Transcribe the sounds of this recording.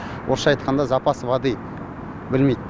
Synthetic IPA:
wʔoɾʃɑɑjt̪̚qɑnd̪ɑzɑpɑsvɑd̪ij | bɪlmejd̪

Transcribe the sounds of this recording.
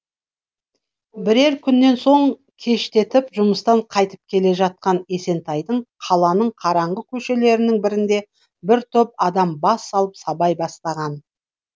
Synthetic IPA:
bɪɾe̞ɾkʲʰʏnːe̞nso̞ɴ | kʲʰe̞ʃt̪e̞t̪ɪpʒʊməst̪ɑɴqʰɑjt̪ə̥p̚kʲʰe̞le̞ʒɑt̪̚qɑne̞se̞nt̪ɑjd̪əɴqʰɑlˠɑnəɴqʰɑɾɑɴʁəkʲʰɵʃe̞le̞ɾɪnɪŋbɪɾɪnd̪e̞ | bɪɾt̪ʰɵp̚ɑd̪ɑmbɑsːɑlˠəpsɑbɑjbɑst̪ɑʁɑn

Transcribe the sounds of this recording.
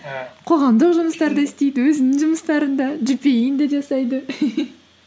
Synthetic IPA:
qʰo̞ʁɑmd̪əqʒʊməst̪ɑɾd̪ɑɪst̪e̞jd̪ɪwɵzɪnɪŋʒʊməst̪ɑɾənd̪ɑʒʏpe̞jɪnd̪eʒɑsɑjd̪ə

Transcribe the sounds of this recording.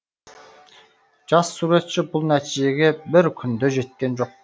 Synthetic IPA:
d͡ʒɑsːuɾe̞t̪t͡ʃɪbʊlˠnæt̪ʰid͡ʒe̞ɡʲe̞bɪɾkʲʰʏnd̪øʒe̞t̪̚kʲe̞nd͡ʒo̞q̚

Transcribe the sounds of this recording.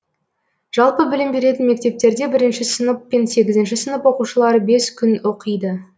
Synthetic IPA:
ʒ̥ɑlˠpəbɪlɪmbe̞ɾe̞t̪ɪnme̞k̚t̪e̞p̚t̪e̞ɾd̪e̞bɪɾɪnʃɪsənəpːense̞ɡʲɪzɪnʃɪsənəpwo̞quʃəlˠɑɾəbe̞skʲʰʏno̞qʰəjd̪ə

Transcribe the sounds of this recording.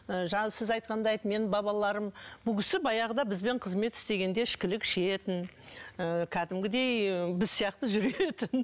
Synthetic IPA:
əʒɑsɪzɑjt̪̚qʰɑnd̪ɑjt̪me̞nɪbɑβɑlˠɑɾəmbʊkʲʰɪsɪbɑjɑʁəd̪ɑbɪzbe̞ɴqʰəzme̞t̪ɪ̥st̪e̞ɡʲe̞nd̪e̞ɪʃkʲɪlɪkʃeet̪ɪnəkʲʰæd̪ɪmɡʲɪd̪e̞jbɪzsijɑq̚t̪əʒʏɾe̞t̪ɪn

